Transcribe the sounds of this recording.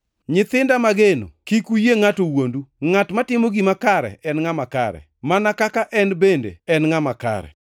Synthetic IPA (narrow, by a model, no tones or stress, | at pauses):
ɲɪt̪ɪndamaɡeno̰kikujeŋatowonduŋatmatɪmoɡimakaɾɛ̰ɛnŋamaka̰ɾɛ̰manakakaʔɛnbendḛɛnŋamaka̰ɾɛ̰